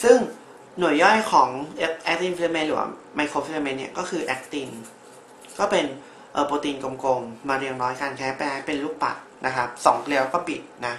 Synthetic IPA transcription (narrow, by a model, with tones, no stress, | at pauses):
sɯ˥˩ŋ | nu˨˩ə˦jːɔ˥˩jkʰɔː˩˦ŋʔk̚ʔɛ˦˥k̚t̪i˧nfi˧li˧me˧nlɯː˩˦wa̰˧˥ | ma˧jkʰoː˧fi˧li˧me˧nːi˥˩ɐkɔː˥˩kʰɯː˧ʔɛ˦˥k̚t̪i˧n | kɔː˥˩pe˧n | ʔɤː˨˩poː˧t̪iː˧nko˧mko˧ŋmaː˧ɾi˧əŋɾɔː˦˥jka˧nkʰɛː˦˥pɛː˧˥pe˧nluː˥˩k̚pa̰˨˩t̪̚na˦˥kʰa˦˥p̚sɔ˩˦ŋpʰle˧wkɔː˥˩pi˨˩t̪̚na˦˥